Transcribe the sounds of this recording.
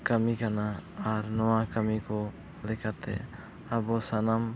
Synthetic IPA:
kamikanaːɾnɔwakamikɔ | lɛkʰat̪ɛ̰ | abɔsanam

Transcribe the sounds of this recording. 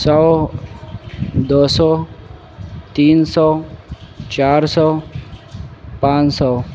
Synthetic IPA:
sɔ | d̪ɔsɔ | t̪iːnsɔː | t͡ʃaːɾsɔː | pãːt͡ʃsɔ

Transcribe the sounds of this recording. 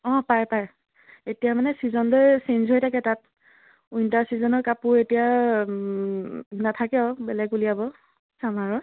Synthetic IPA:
ɔ̃pajpaj | etijamanɛsizɔndojsenzɦojtʰakɛtat̚ | ujntaɹsizɔnɔɹkapʊɹetija | natʰakɛɔbɛlɛɡulijabɔ | samaɹɔ

